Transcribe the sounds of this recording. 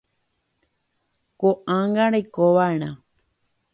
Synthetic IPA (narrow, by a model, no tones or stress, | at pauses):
koʔãŋɡãɾejkoʋaeɾ̃ã